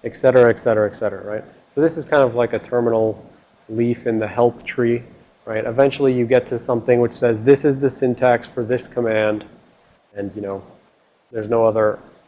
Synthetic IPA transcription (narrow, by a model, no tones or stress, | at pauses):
ɨksɛɾə˞ɨɨksɛɾə˞ɨɨksɛɾə˞ə̰ɹaɪt̚ | soʊðɪsɨz̥kʰãɪ̃ndʌvlaɪkɨtʰɜ˞mənl̩ˠ | lifɨ̃nðɨhɛlˠptʰɹ̥i | ɹaɪɾɨvɛ̃nt͡ʃl̩ˠijɨɡɛtʰɨsʌ̃mθɪ̃ŋwɨt͡ʃsɛzðɪsɨzðɨsɪ̃ntʰækstfə˞ðɪskʰəmæ̃nd | ɨ̃njɨnoʊ | ðə˞znoʊʌðə˞